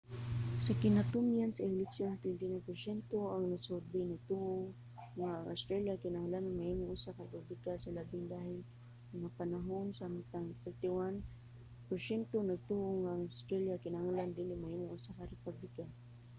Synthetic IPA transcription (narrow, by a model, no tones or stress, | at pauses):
sɐkɪnat̪ʊmjansɐɪlɛksjont̪wɛnt̪ɪnawpɛɾsɛnt̪oaŋnɐsʊɾd̪ɪnɐɡ̚t̪uʔoŋː | aŋʔawst̪ɾaljakɪnahŋlanaŋmaʔiŋʊŋʔʊsakɐɾpʊblɪkasɐlabɪŋd̪ahɪl | ŋapɐnaɦonsamt̪aŋfɛɹt̪ɪwan | pɛɾsɛnt̪onɐɡ̚t̪uʔoŋːaŋast̪ɾaljakɪnahaŋaland̪ilɪmahiŋʊŋʔʊsakɐɾɛpublɪkan